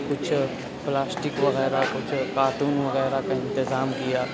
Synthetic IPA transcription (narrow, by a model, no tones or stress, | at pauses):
kʊt͡ʃʰ | plaːsʈɪkʋɐɣɛːɾakʊt͡ʃʰkaːʈuːnʋɐɣɛːɾakaɪ̃nt̪ɪzaːmkijaː